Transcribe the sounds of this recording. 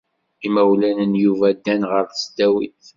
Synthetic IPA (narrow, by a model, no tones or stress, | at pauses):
imæwlænənjuvæd̪ːænʁəɾθsd̪æwḭθ